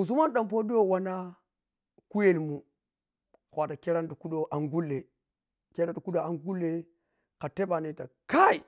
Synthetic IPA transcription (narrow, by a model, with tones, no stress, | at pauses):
u˨z̬u˦ma˦nɗa˨mp̬o˦di˦jo˦wa˦na˦ | ku˦je˦ni˨mu˨ | kʷa˨ta˨ke˦ɾa˦ndu˨ku˦ɗo˦ʔa˨ŋɡu˦lːe˨ | ke˦ɾa˦du˨ku˦do˦˨a˨ŋɡu˦lːe˨ | ka˨te˦ba˨ne˨ta˨ka˦i˨